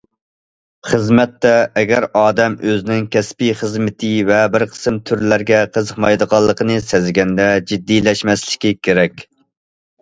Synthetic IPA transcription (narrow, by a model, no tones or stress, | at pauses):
χəzmɛt̪ːɛːɡʲæɾɑːd̪ɛmøzɪnɪŋkʲɛspijχəzmɪt̪ʰɨvɛbɪɾqʰə̥sɨmt̪ʰyɾlæɾɡʲɛqʰəzəqmɑjd̪əʁɑlˠːəqʰənɨsɛzɡʲɛnd̪ɛd͡ʒid̪ːilɛʃmɛslɪ̥kʲikʲʰeɾɛkʲ